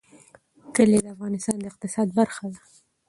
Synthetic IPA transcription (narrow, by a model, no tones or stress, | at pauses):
kəled̪əafɣɑnɪst̪ɑnd̪əɪq̚t̪ɪsɑd̪̚baɾxad̪a